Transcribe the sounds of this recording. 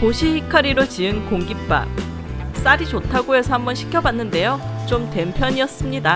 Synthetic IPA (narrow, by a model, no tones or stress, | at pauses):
poɕʰihikʰaɾiɾot͡ɕiɯnkoŋɡip̚p͈a̰ | s͈aɾit͡ɕotʰaɡoe̞sʰʌhambʌnɕʰi̥kʰjʌbanːɯnde̞jot͡ɕomte̞mpʰjʌɲiʌs͈ɯmɲida